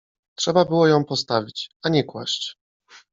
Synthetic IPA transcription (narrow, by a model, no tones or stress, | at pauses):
tʂɛbabɘwɔjɔ̃w̃pɔst̪avʲit͡ɕaɲɛkwa̰ɕt͡ɕ